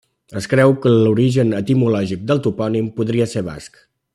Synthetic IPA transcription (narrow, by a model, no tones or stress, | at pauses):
əskɾɛwkəluɾiʒənət̪imulɔʒik̚d̪əlˠt̪upɔnimpuðɾiəseɾβa̰sk